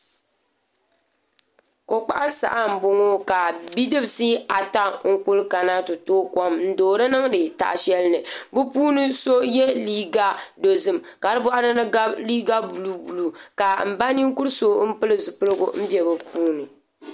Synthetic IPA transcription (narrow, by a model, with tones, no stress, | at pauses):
ko˨k͡pa̰˦ʔa˦sa̰˨ʔa˦m̩˨bo˦ŋo˦ka˨bi˦dɨ˦bsi˦a˨ta˦ŋ̩˦kʊ˦lka˨na˦tʊ˨toː˦kɔ˦mn̩˦doː˨ɾɨ˦nɨ˦ŋdɨ˨ta̰˦˨ʔʃɛ˦lnɨ˨bɨ˦puː˦nɨ˦so˦jɛ˦liː˦ɡa˦do˨zɨ˦m | ka˨ɾɨ˦bɔ˦ʔa˦nɨ˦nɨ˦ɡa˦bliː˦ɡa˦bu˨lu˨bu˨lu˨ka˨m̩˨ba˦ni˦ŋ˦kʊ˦ɾso˦m̩˦pɨ˦lɨ˦zu˨pɨ˦lɨ˦ɡʊ̰˨m̩˦bjɛ˨bɨ˨puː˦nɨ˨